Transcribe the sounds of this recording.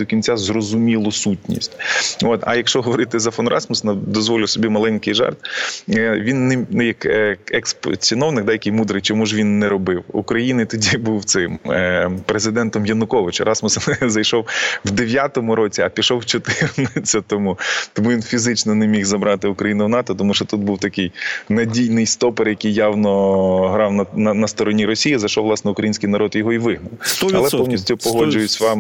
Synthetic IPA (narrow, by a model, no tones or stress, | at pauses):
d̪ɔkʲinʲt͡sʲazrɔzʊmʲilˠɔsutʲnʲḭsʲtʲot̪ɐ̰jɐkʃt͡ʃɔɦɔʋɔɾɪt̪ɪzɐfɔnɾʔɑ̰smʊsnɐd̪ɔzʋɔlʲɪwsɔbʲimɐlˠɛnʲkɪjʒɛ̰rt̪ | ʋʲinːɛnʊjɐkɛkspt͡sʲinɔwnɪkd̪ajɐkɪjmud̪ɾɪjt͡ʃɔmuʒʋʲinːɛɾɔbɪwṵkɾɐjinɪt̪ɔdʲibuwt̪sɪmpɾezɪd̪ɛnt̪ɔmjɐnʊkɔʋɪt͡ʃɐɾɑsmʊszɐjʃɔwwd̪eʋʲjat̪ɔmʊɾoɔt͡sʲiɐpʲiʃɔwt͡ʃɔt̪ɪrnɪt͡sʲːɐt̪ɔmut̪ɔmuʋʲinfʲizɪt͡ʃnɔnɛmʲixzɐbɾɑt̪ɪʊkɾɐjinʊwnɑt̪ɔt̪ɔmuʃt͡ʃɔt̪ut̪̚buwt̪ɐkɪjnɐdʲijnɪjst̪ɔperjɐkɪjːɑwnɔɦɾɑwnɐnɐnɐst̪ɔɾɔnʲiɾɔsʲijizɐjʃɔwlˠɑsnɛʊkɾɐjinʲsʲkɪjnɐɾɔd̪jɔɦɔiʋɪɦnɐwɐlˠɛpɔmnʲisʲtʲʊpɔɦɔd͡ʒʊjʊt͡sʲʋɑm